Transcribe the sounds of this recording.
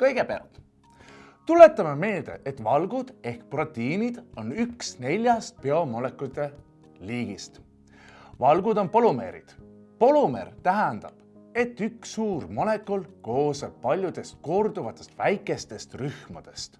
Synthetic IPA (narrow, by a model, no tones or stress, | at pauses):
kɤjɡ̥e̞peɑ̰lt̪ˑ | t̪ule̞t̪ːˑɑmeme̞ːld̪e̞̰ʔet̪vɑlɡ̥ud̪̥e̞hkpro̞t̪ːˑiːnid̪̥o̞nyksne̞lʲjɑst̪̚peomo̞le̞kːˑut̪ːˑe̞ | liːɡist̪ | vɑlɡud̪̥o̞npo̞lume̞̰ɾḭd̪̥ | po̞lume̞̰rt̪æɦænd̪̥ɑb̥e̞t̪ːˑyksuːrmo̞le̞kːˑolko̞ːsɑb̥̚pɑlʲjud̪̥e̞st̪̚ko̞rd̪̥uvɑt̪ːˑe̞st̪væjkːˑe̞st̪e̞st̪ryhmɑ̰d̪̥e̞st̪